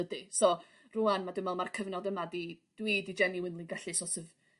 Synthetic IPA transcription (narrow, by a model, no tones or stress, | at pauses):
ədɨsɔ | rʊanmadʊmɛlˠmarkʰəvnɔdəmadid̥wiːdid͡ʒɛniwɪnlˠinɡaɬɨsɔsəv